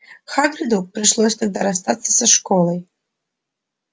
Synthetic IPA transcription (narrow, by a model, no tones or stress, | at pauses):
xaɡɾʲɨd̪uk̚pɾɪʂlˠɔsʲt̪ɐɡ̚d̪aɾɐst̪at̪sːə̥sɐʂkɔlˠəj